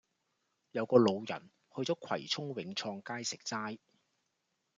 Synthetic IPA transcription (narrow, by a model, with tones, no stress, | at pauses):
jɐ˨˧wkɔː˧lo˨˧wjɐ̰˨˩n | hɵ˧ɥt͡sɔː˨˥kʰɐ̰˨˩jt͡sʰʊ˥ŋwɪ˨˥ŋt͡sʰɔː˧ŋkaː˥jsɪ˨k̚t͡saː˥j